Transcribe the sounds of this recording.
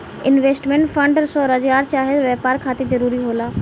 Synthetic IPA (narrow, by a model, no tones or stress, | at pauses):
ɪnʋeːsʈmẽːɳʈfɐ̃ɳɖsɔːɾɐd͡ʑɡaːɾt͡ʃaːɦezʋeːpaːɾkʰaːt̪izɐɾuːɾiɦoːlaː